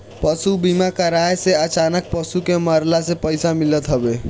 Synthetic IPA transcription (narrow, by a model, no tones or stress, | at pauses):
pəsubimakəɾaeseət͡ʃaːnək̚pəsukeməɾlasepəɪsamɪlət̪ɦəbe